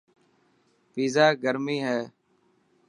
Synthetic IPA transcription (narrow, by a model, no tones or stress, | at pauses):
piːzaːɡəɾmiːɦɛː